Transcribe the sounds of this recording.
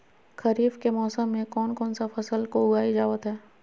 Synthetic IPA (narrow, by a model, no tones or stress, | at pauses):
kɐɾiːfkemɔːsəmːẽkɔːnkɔːnsafɐsəlkoʊɡaːid͡ʒaːʋət̪ɦɛː